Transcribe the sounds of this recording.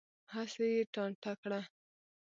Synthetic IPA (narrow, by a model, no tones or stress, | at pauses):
hasejeʈɑɳʈakɽa